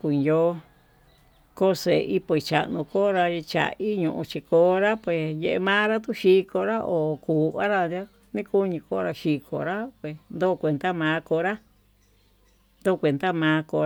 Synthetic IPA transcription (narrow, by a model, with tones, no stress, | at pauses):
ku˧˨jo˦ | ko˦se˨˧ʔi˦po˧i˨˧t͡ʃa̰˨nũ˧ko˦ɾa˧i˧t͡ʃa̰˨ʔi˦ɲũ˧ʔṵ̃˧t͡ʃi˧koː˧˦ɾa˦pwe˧˨je˧e˧mãː˦ɾa˦t̪u˦ʃi˧˦ko˧ɾa˦ʔo˨kuː˨ʔa˦ɾa˧a˦ | nĩ˦ku˦ɲĩ˧ko˧˦˧ɾa˧ʃi˧kʰo̰˨ɾa˦pwe˨nd̪oː˦˨kʷe˧nd̪a˦mãː˨˦ko˧ɾa˦ | nd̪o˦˨˧kʷe˨nd̪a˦mãː˧˦ko˧˦